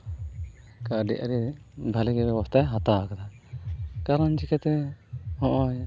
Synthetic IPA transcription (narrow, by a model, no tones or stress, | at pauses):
kaɖḭʔa̰ɾibʱaliɡɛbɛbɔst̪ajɦat̪akat̪a | kaɾand͡ʒikɛt̪ɛhɔ̃ʔɔj